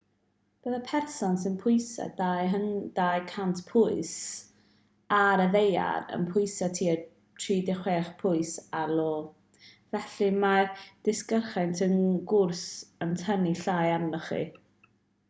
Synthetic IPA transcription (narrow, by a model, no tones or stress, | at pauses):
b̥əːðapʰɛrsɔnsɪnpʰʊjsa̰dajɦəndajkʰantʰpʰʊɨs | aɾəðeja̰ɾə̰npʰʊɨsatʰiːə | tʰriːdɪχweːχpʰʊɨsalˠoː | vɛɬimad̥ɪskərχɛntʰənɡʊrsəntʰəniɬajanɔχḭ